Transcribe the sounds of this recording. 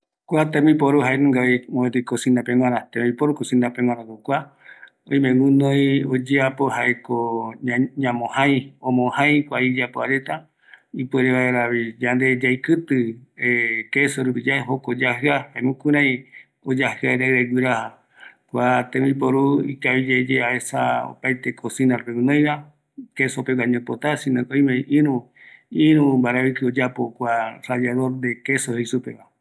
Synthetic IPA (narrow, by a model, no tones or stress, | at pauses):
kʷat̪ẽmĩpoɾuɦaenũŋɡaemoet̪̬ekosĩnd̪apẽŋ̃ʷãɾãt̪ẽmĩpoɾukosĩnd̪apeŋʷw̃ãɾãkokʷa | oj̃mẽŋũnõjod͡ʒeapohaʔeko | ɲãmõhãj̃õmõhãj̃kʷaid͡ʒapoaɾet̪a | ipweɾeβaeɾaβid͡ʒand̪e̞d͡ʒajkɨt̪ɨekesoɾupid͡ʒaeɦokod͡ʒahɨahamũkũɾ̃ãj̃ | od͡ʒahɨaeɾaɾeɡiɾaha | kʷat̪ẽmĩpoɾuikaβid͡ʒed͡ʒeaesao̰pajt̪e̞kʰosinarẽnõj̃βa | ke̞sopewaɲõpot̪asĩnõkoj̃mẽʔĩɾũ | ĩɾũmbaɾaβikɨod͡ʒapokʷarajaðoɾd̪e̞kesohesupe̞βa